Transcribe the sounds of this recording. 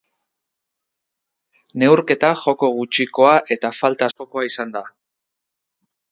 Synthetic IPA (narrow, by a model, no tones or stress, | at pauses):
ne̞wɾke̞t̪axo̞ko̞ɣ̞ut͡ʃiko̞aʔe̞t̪afalt̪aːsko̞ko̞aisand̪a